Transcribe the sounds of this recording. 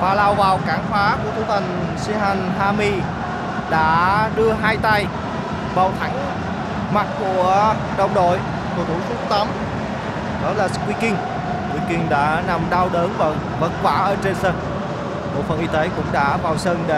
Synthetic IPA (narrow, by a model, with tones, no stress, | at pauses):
vaː˨˩laː˧˩wvaː˨˩wkaː˧˩ŋfaː˨˦ku˧˩ət̪ʰu˧˨˦t̪ʰa˨˩jŋ̟si˧ɦa˨˩jŋ̟ɦaː˧mi˧ | ɗa̰ː˧˥ɗɨ˧əɦaː˧jt̪a˧j | vaː˨˩wt̪ʰa˨˦ŋ̟ | ma˨˩t̚ku˧˩ə | ɗə˧˩wŋ͡mɗo̰˧˨j | ku˧˩ət̪ʰu˧˦k̪ʰʊ˦˥k͡p̚t̪ə˨˦m | ɗɔ˨˦laː˨˩sɨ̥˦˥k̚wi˧kï˧˩ŋ̟ | kwi˧˩kï˧ŋ̟ɗa̰ː˧˥na˨˩mɗa˧wɗəː˨˦nvə̰˧˨˩n | və̰˧˥t̚kwa̰ː˧˩ʔəː˧˩t͡ɕe˧nsə˧n̚ | mo̰˨˩t̚fə˨˩nʔi˧˦t̪e˨˦kʊ̰˧˥ŋ͡mɗa̰ː˧˥vaː˨˩wsə˧nɗe˧˩